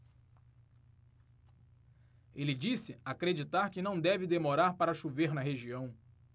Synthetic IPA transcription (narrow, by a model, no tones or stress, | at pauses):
elɪd͡ʒisɪakɾed͡ʒit̪aɾkɪnɐ̃w̃d̪ɛvɪd̪emoɾaɾpaɾɐʃuveɾnɐɦeʒiɐ̃w̃